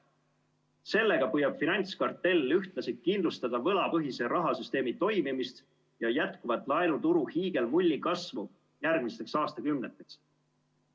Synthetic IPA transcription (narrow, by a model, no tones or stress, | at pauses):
se̞lːe̞ɡ̥ɑpɯjɑb̥finɑnʲt̪skɑrt̪ːˑe̞lːyht̪lesik̪̚kind̪lust̪ɑd̪̥ɑvɤlɑpɤɦise̞ɾɑɦɑsyst̪e̞ːmit̪o̞jmimist̪ | jɑjæt̪kuvɑt̪ːˑlɑenut̪uɾuhiːɡ̥e̞lmulʲːikɑsvu | jærɡmist̪e̞ksɑːst̪ɑkymnet̪ːˑeks